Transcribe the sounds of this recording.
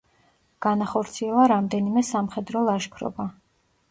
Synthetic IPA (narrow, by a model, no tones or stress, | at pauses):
ɡ̥anaχɔɾt̪sʰiɛlˠaɾamd̪ɛnimɛsamχɛd̪ɾɔlˠaʃkʰɾɔ̰ba